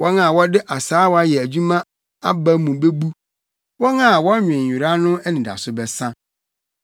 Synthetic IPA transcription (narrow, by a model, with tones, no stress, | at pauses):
wɔ˦na˨wɔ˦dɪ˦ʔa˨saː˨˦wɔ˦a˦jɛ˨æ˨d͡ʑu˦mã˦ | a̰˦ba˦mũ˨be˦bu˦ | wɔ˦na˦˨wɔ˦ɲᶣ˨ɛ̃˨u˨ɾa˦nʊ̃˦ɛ˦nĩ˨da̰˨sʊ˦bɛ˦˨sã˦